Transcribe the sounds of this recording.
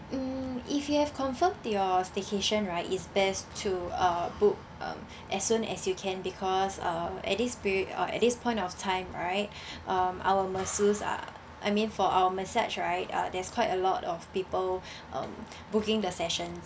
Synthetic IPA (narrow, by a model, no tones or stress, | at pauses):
ifjuhɛfkʰɔ̃ɱfəmtjɔstekʰeʃə̃nɹaɪtisbɛstʰːuʌbuk̚ | ʌ̰̃m | ʔɛsːũnɛ̰sjukʰɛ̃nbikʰɔsʌ̃ɛ̰t̚dispɹʌ̰ɛ̰t̚dispʰɔ̃ɪ̃ntɔftʰãɪ̃mɹaɪt̚ | ʔʌ̃mʔa̰wəməsusa̰ | ʔa̰jmĩnfɔʔawəmɛsa̰t͡ʃɹaɪt̚ʌ̰dɛskʰwaɪtəlɔtɔfpipəl | ʔʌ̰̃m | bukĩŋdəsɛʃə̃ns